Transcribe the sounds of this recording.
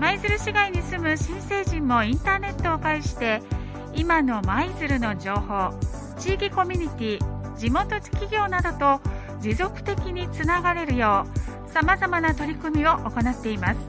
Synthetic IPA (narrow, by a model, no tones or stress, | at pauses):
maizɨɾɯ̟ɕiɡaiɲ̟isɨmɯ̟ɕĩse̞ːʑĩmːo̞ĩnt̪aːne̞t̪ːo̞ːkaiɕi̥t̪e̞ | imano̞maizɨɾɯ̟no̞d͡ʑo̞ːho̞ː | t͡ɕiːkʲiko̞mʲiɲ̟it̪ʲiːd͡ʑimo̞t̪o̞d͡ʑi̥kʲiɡʲo̞ːnad̪o̞t̪o̞ | d͡ʑizo̞kɯ̥t̪e̞kʲiɲ̟it͡sɨnaɡaɾe̞ɾɯ̟jo̞ː | samazamanat̪o̞ɾʲikɯ̟mʲio̞ʔoko̞nat̪ːe̞imasɨ̥